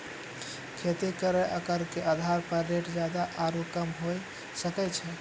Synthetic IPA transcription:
kʰet̪ikəɾɛʔəkəɾkeʔad̪ʱaɾpəɾːeʈd͡ʒjad̪aʔaɾukəmɦoj | səkɛt͡ʃʰɛ

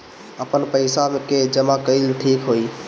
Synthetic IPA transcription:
əpənpəɪsamẽked͡ʒəmakəilʈʰiːkɦoːiː

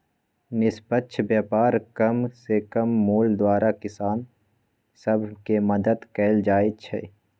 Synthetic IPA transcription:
nɪspətːʃʰbjaːpaːɾkɐmsekəmːuːld̪waːɾʔakɪsaːn | səbʱkemɐd̪əd̪kɛːld͡ʒaːet͡ʃʰɛ̰ː

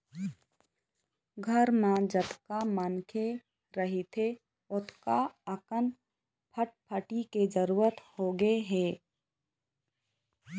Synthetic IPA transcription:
ɡʱəɾmãd͡ʒət̪kamaːnkʰe | ɾəɦit̪ʰe | ʊt̪ʰkaəkən | pʰəʈ̚pʰəʈiked͡ʒəɾuːɾət̪hoɡeɦɛː

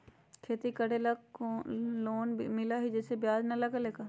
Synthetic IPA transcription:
kʰeːt̪ikəɽelə | loːnmɪlaːɦid͡ʒɛːsebjaːznələɡaleːkaː

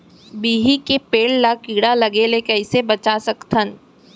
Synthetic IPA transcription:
biːɦikepeːllakiːɽalɐɡelekɐɪsebɐt͡ʃasɐkt̪ʰən

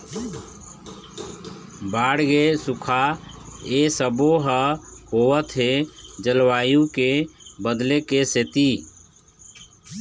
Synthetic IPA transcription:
baːɽɡesukʰa | esəboɦəhowət̪ɦed͡ʒəlwaːjũkebəd̪lekeset̪i

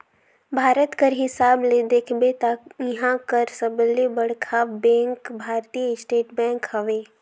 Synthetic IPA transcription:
bʱaːɾət̪kəɾɦɪsaːbled̪eːkʰbet̪ajiɦãkəɾsəblebəɽkʰaːbɛ̃ːŋkbʱaːɾt̪ijəɪsʈeːʈbɛ̃ːŋkhɐʋeː

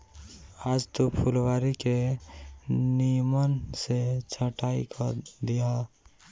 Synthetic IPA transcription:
aːd͡ʒt̪opʰulwaːɾike | nimənset͡ʃʰəʈaːikʰəd̪ija

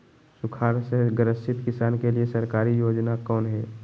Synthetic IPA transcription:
sʊkʰaːɾseɡəɾəsɪt̪kɪsaːnkeliesɐɾkaːɾijoːd͡ʒnakɔːnɦɛː

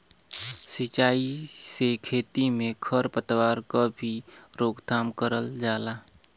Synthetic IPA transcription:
sit͡ʃaːisekʰeːt̪imẽkʰəɾpət̪waːɾkabʱiɾoːɡd̪ʰʱaːmkəɾəld͡ʒaːlaː

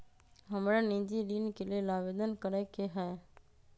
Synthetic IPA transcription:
ɦəmɽẽːnĩːɲd͡ʑiːɗiːnkʰeːlieːlaːʋeːd̪ənkəɾeːkʰeːɦae

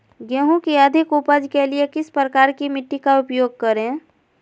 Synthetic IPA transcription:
ɡəɦõkiəd̪ʱɪkʊpəd͡ʒkeliekɪspɾəkaːɾkimɪʈːikaʊpjoːɡ̚kəɾẽ

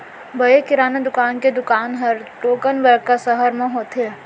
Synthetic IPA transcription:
bɐekɪɾaːned̪ʊkaːnked̪ʊkaːnɦɐɾʈoːkənbəɾkasɐɦəɾmẽɦoːt̪eː

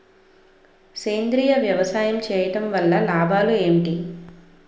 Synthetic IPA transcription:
sejnd̪ɾiːjɐʋjɐʋɐsaːjɐmt͡ʃɛːjɐʈɐmʋɐlːɐlaːbʱaːlueːɳʈi

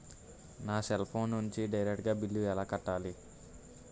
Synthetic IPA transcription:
naːselpʰo̞ːnːuɲt͡ʃiɖɐjɾek̚ʈ̚ɡaːbilːuɛlaːkɐʈːaːli

